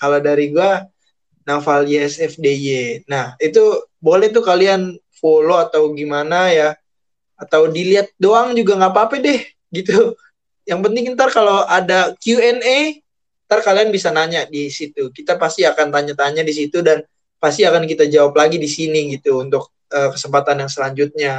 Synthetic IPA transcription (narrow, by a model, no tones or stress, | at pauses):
kaladaɾiɡua | nafaljeɛsɛfdejenahit̪ubolɛht̪̬ukalian | foloat̪awɡimanajaː | t̪awdiliat̪̚doaŋd͡ʒuɡaŋapaːpadɛh | ɡit̪u | jaŋpənt̪ɪŋnt̪arkalowʔadakjuɛne | nt̪arkalianbisanaɲaʔdisit̪ukit̪apast̪iakant̪aɲat̪aɲaʔdis̬it̪udan | past̪iakankit̪ad͡ʒawaplaɡidisiniɡit̪uːnt̪ʊk̚ | əːkə̥səmpat̪anjaŋsəlaɲd͡ʒut̪̚ɲa